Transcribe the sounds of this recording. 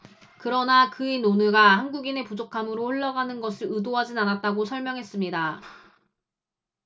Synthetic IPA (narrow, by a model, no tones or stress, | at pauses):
kɯɾʌnakɯenonɯɡahanɡuɡine̞pud͡ʑokʰamɯɾoɸoɭːaɡanɯnɡʌsʰɯɭɯdoɦad͡ʑinanat̚t͈aɡosʰʌɭmjʌŋɦe̞s͈ɯmɲida